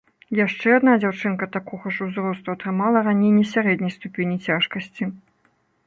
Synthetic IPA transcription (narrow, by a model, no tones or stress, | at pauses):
jaʂt͡ʂɛad̪nad͡zʲawt͡ʂɨnkɐt̪akɔɣɐʂuzɾɔst̪uɐt̪ɾɨmalˠɐranʲejnʲɛsʲaɾɛd̪ʲnʲɐjst̪upʲenʲit͡sʲaʂkɐsʲt͡sʲi